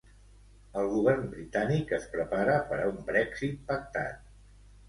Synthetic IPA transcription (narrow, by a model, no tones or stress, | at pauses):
əlˠɣuβ̞ɛrmbɾit̪anikəspɾəpaɾəpəɾə̰umbɾɛksit̪̚pək̚t̪a̰t̪̚